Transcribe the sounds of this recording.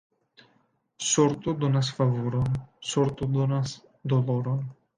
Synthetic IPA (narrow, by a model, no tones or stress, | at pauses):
soɾt̪od̪onasfavuɾonsoɾt̪od̪onas | d̪oloɾon